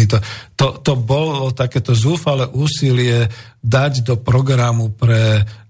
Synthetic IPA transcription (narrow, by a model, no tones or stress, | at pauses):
it̪ɔt̪ɔt̪ɔbɔlɔt̪akɛt̪ɔzuːfalɛʔuːsilɪɛ | d̪aɟd̪ɔpɾɔɡɾamupɾɛ